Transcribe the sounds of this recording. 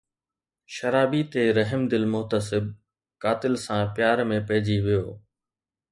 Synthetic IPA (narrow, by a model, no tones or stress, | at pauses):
ʃɐɾaːbit̪eɾɐɦɪmd̪ɪlmʊɦt̪əsɪb̚ | kaːt̪ɪlsãpjaːɾmẽpɐɦɪd͡ʑiʋijoː